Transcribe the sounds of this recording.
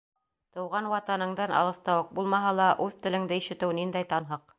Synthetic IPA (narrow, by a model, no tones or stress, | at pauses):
t̪ɤ̆wʁɑnwɑt̪ɑnɤ̆ɴd̪ɑnʔɑ̰lˠɤ̆st̪ɑwɤq̚bulˠmɑɦɑlˠɑʔʉðt̪ɘ̆lɘ̆ŋd̪ɘiʃɘ̆t̪ɘwnind̪æjt̪ɑnɦɤq